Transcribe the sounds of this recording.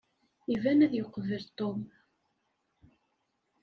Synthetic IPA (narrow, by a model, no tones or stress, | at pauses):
ivænæðjoqvəlt̪ˤːom